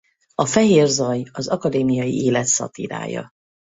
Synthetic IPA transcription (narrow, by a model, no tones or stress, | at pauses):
ɒfɛɦeːrzɒjɒzɒkɒd̪eːmijɒjḭʔeːlɛt̪sɒ̰t̪iɾa̰ːjɒ̰